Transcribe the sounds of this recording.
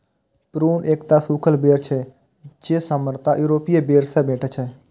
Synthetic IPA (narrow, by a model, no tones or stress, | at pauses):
pɾuːneːkt̪aːsuːkʰəlbeːɾt͡ʃʰɛː | t͡ʃeːsəməɾt̪aːʔjuːɾoːpijeːbeːɾsɛːbeːʈʰat͡ʃʰɛː